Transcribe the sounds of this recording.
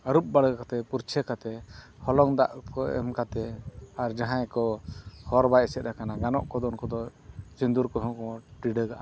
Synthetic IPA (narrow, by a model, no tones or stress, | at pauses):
əɾup̚baɽəkat̪ɛpuɾt͡ʃʰəkat̪ɛ | hɔlɔŋd̪a̰ʔkɔɛ̰mkat̪ɛaɾd͡ʒaɦãjkɔhɔɾbajsɛt̪̚ɾakanaɡanɔʔkɔd̪ɔnkɔd̪ɔt͡ʃind̪uɾkɔɦɔ̃kɔʈiɖəɡaʔa